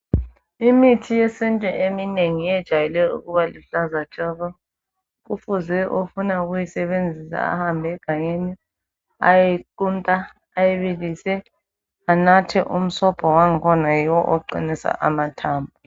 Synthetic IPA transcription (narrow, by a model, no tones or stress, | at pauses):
imitʰijɛsɛntʼɛʔemineŋijɛd̥ʒ̥ʱajɛlɛṵɣuβaliɬazat͡ʃʼɔɣɔ | ɣufuzɛʔofunauɣujisɛβend͡zʱisa̰a̰hambʱɛɡ̥ʱaɲeni | a̰jɛǃuntʼaː | jɛβilisɛ | anatʰɛʔum̩sɔpʰʼɔwaŋ̩kʰɔnajiwɔʔɔǃḭnisa̰ʔamatʰaːmbʱu